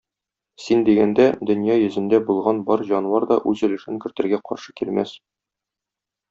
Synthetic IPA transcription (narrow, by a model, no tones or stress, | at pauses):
sind̪iɡænd̪æd̪ɵ̆njɑjɵ̆zɘ̆nd̪æbulˠʁɑnbɒɾʑɒnwɑɾd̪ɒʔʉzɵ̆lɘ̆ʃɘŋkɘ̆ɾt̪ɘ̆ɾɡæqɒ̰ɾʃɤ̥kilmæ̰s